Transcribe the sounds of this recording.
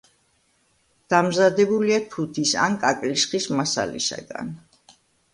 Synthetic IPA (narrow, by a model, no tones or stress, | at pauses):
d̪̥amzad̪ɛbuliat̪ʰut̪ʰisa̰nkʼakʼlisχismasa̰lḭsa̰ɡa̰n